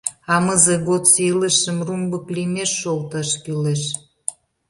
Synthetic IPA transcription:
ɑməzĕɣot̪sələʃə̆mrumbə̆klimeʃːolt̪ɑʃkyleʃ

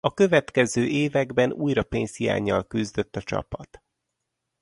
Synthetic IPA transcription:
ɒkø̞vɛt̪kɛzøːʔeːvɛɡbɛnuːjɾɒpeːnshija̰ːɲːɒlkyzd̪ø̞t̪ːɒt͡ʃɒ̰pɒt̪

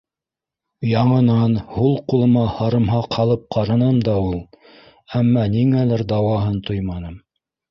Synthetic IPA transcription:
jɑɴɤ̆nɑnhulˠqulˠɤ̆mɑhɑɾɤ̆mɦɑqhɑlˠɤp̚qʰɑɾɑnɤmd̪ɑulˠ | æmːɑniŋælɘɾd̪ɑwɑɦɤnt̪ojmɑnɤm

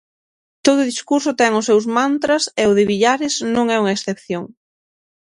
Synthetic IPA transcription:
t̪oð̞ʊðiskuɾsʊt̪ɛŋʊsewzmant̪ɾɐsɪʊðɪβiʎaɾɪznõŋɛuŋɐesθepθjoŋ

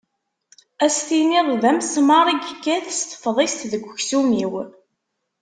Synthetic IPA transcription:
æst̪iniðˤðæmsmɑɾˤiɡkːæθəst̪ə̥fðˤest̪ðəɡʷːçsumiw

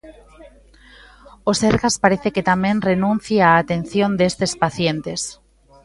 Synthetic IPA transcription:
oseɾɣaspaɾeθeket̪amẽnrenũn̟θjeaːt̪en̟θjond̪est̪espaθjent̪es

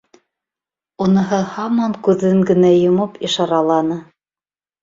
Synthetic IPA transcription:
unɤ̆ɦɤhɑmɑŋkʉðːɘŋɡɘ̆næjŏmɤpiʃɑɾɑlˠɑnɤ

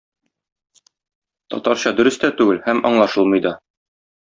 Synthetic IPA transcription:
t̪ɒ̰t̪ɑɾɕɑd̪ɵ̆ɾɘ̆st̪æt̪ʉɡɘlhæmɒ̰ɴlˠɑʃɤlˠmɤjd̪ɑ

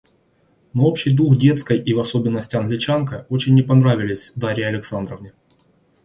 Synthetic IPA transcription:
noo̞pɕɪjd̪uxdʲe̞t̪skəjʔivɐso̞bʲɪnːəsʲtʲɪɐnɡlʲɪt͡ɕankəo̞t͡ɕɪnʲːɪpɐnɾavʲɪlʲɪsʲd̪aɾʲɪjɐlʲɪksand̪ɾəvnʲɪ

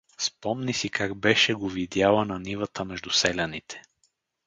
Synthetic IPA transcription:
spɔmnisikaɡbɛʃɛɡovid̪jalˠənɐnivət̪əmɛʒd̪ʊsɛlʲɐnit̪ʰɛ̥

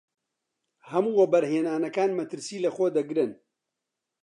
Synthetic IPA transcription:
hɐmuːwɐbɐɾɦeːnaːnɐkaːnmɐt̪ɨɾsiːlɐxoːd̪ɐɡɾɨn

